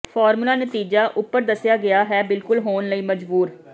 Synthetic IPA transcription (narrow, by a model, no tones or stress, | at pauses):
pʰɔːɾmulaːnət̪iːd͡ʒaːʔʊpːəɾd̪əsɪjaːɡɪaːɦɛːbɪlkʊlɦoːnləiːməd͡ʒbuːɾ